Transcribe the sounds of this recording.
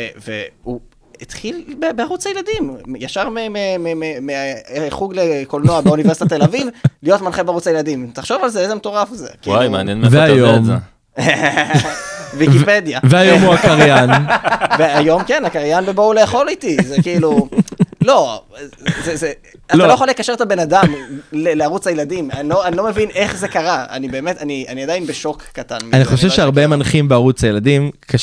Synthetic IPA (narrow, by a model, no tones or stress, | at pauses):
evḛu | it̪χilbebeaʁut͡sajelad̪imjaʃaʁmememememeaχuɡlekolnoabeunivesit̪at̪elavivlijo̞tmanχebeaʁut͡sajeladimt̪aχʃo̞valzeezemet̪o̞ʁafzḛkajmeanjenmveajom | vikiped̪javeajomuakaʁjanveajo̞mkenakaʁjanbebouleːχo̞lit̪izekiilu | lo̞ | zeze | atalalojeχalekaʃe̞etabe̞nadamleleaʁut͡shajeladimanloanilo̞me̞vinʔe̞χze̞kaʁaa̰nibe̞ːme̞tanianiadajnbeʃo̞kːatanmianiχo̞ʃ̬evʃeaʁbemanχimbeaʁut͡sajeladimka